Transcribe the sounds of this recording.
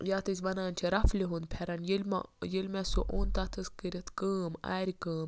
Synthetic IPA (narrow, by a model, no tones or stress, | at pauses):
jaːt̪ɨs̬ʲʋɐnaːnʲt͡ʃʰiɾɐfliɦund̪̚pʰɛɾɐnjilʲm̰jilʲmesoʔoːnt̪at̪ʰɨskəɾʲit̪ʰkəːma̰ːɾʲikəːm